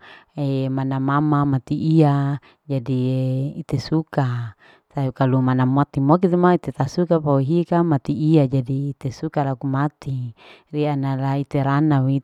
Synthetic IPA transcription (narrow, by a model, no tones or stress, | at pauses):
emanamamamat̪iʔia | d͡ʒadieit̪esuka | sakalumanamot̪imok̬it̪emait̪et̪asukapawiɦikamat̪iːad͡ʒadiːt̪esukalakumat̪irianalait̪eɾanawi